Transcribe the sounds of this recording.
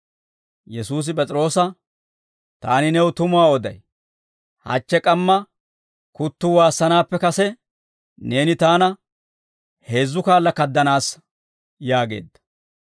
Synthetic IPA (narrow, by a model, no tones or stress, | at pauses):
jɛsuːs̬ɪp̬ʼɛt͡sʼɾo̞ːsɐ | t̪a̰ːnɪnɛwʊt̪ʊmʊaːɔd̪ɐ̰j | hɐ̰t͡ʃːɛkʼɐmːɐ | kʊt̪ːʊwaːsːɐnaːpːɛkɐsɛ | ne̞ːnɪt̪aːnɐ | he̞ːzːʊkaːlːɐkɐd̪ːɐnaːs | jaːɡe̞̰ːd̪ːɐ̥